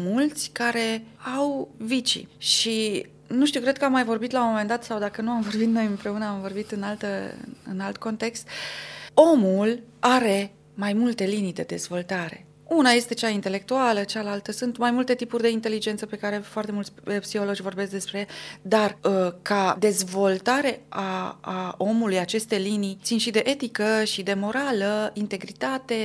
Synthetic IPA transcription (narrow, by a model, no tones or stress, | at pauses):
mult̪sʲkaɾe̞awvit͡ʃḭʃi | nuʃt̪iuwkɾe̞d̪̚kəamːajvo̞rbit̪laomome̞nd̪at̪sawd̪akənuamvo̞rbit̪no̞jɨmpɾe̞unəamvo̞rbit̪ɨnalt̪əɨ̰ɨ̰nalt̪ko̞nt̪e̞kst̪ | o̞mulaɾe̞ | majmult̪e̞linijd̪e̞d̪e̞zvo̞lt̪aɾe̞̰ | unaje̞st̪e̞t͡ʃaint̪e̞le̞k̚t̪ualət͡ʃalalt̪əsunt̪majmult̪e̞t̪ipurʲd̪e̞int̪e̞lid͡ʒe̞nt̪səpe̞kaɾe̞foart̪emult̪sʲpsixo̞lo̞d͡ʒʲvo̞rbe̞sk̚d̪e̞spɾejed̪arkad̪e̞zvo̞lt̪aɾe̞aː | o̞mulujat͡ʃe̞st̪e̞linijt̪sinʃid̪e̞ʔe̞t̪ikəʃid̪e̞mo̞ɾaləint̪e̞ɡɾit̪at̪e̞